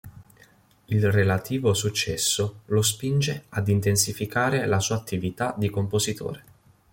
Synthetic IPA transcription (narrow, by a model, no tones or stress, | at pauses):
ilrelat̪ʰiːvosut͡ʃːɛsːolos̬pind͡ʒead̪int̪ensifikaːɾelasuːat̪ːivit̪ad̪ikompozit̪ʰo̰ːɾe